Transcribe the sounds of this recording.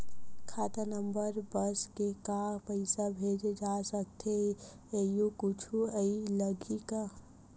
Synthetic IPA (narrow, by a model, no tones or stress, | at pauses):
kʰat̪anəmbəɾbəskekapəɪsabʱed͡ʒd͡ʒasək̚t̪ʰe | ejukʊt͡ʃʰuəiləɡika